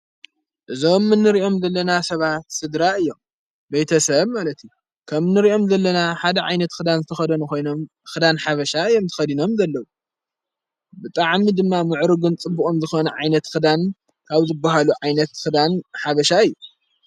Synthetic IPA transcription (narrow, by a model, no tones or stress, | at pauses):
ʔɨzo̞mːɨnːɨɾiʔo̞mzɐlːɐnasɐβat̪sɨd̪ɾaɨjːo̞m | bejt̪ʰɐsɐβmalɐt̪iju | kʰɐmnːɨɾiʔo̞mzɐlːɐnaħad̪ɐʕa̰jnɐt̪xɨd̪anzɨt̪ʰɐxɐd̪ɐnukʰo̞jnom | xɨd̪anħaβɐʃaɨjːomt̪ʰɨ̥xɐd̪ino̞mzɐlːɐwu | bɨt̪ʼaʕmid̪ɨmːamɨʕɾɨɡunt͡sʼɨbːukʼomzɨxonɐʕajnɐt̪xɨd̪an | kʰaβzɨbːaɦaluʕajnɐt̪xɨd̪anħaβɐʃaɨjːu